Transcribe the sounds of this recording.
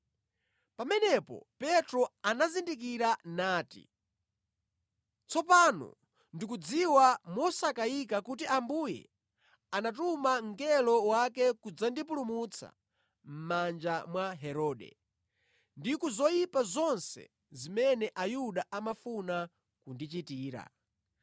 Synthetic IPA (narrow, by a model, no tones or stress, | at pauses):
pamɛnɛpɔ̰pɛtɾɔanazindik̬iɾanaːtḭ | t͡sɔpanɔ̰ | ndik̬ud͡ziwamɔsakaikakutiʔambujɛ̰ | anatumaŋɡɛlɔwakɛkud͡zandip̬ulumut͡sʰa̰ | m̩mand͡ʒamwaɦɛɾɔːɗɛ̰ | ndikuzɔjipazɔnsɛ̰ | zimɛnɛʔajuɗaʔamafuna | kundit͡ʃitiːɾa̰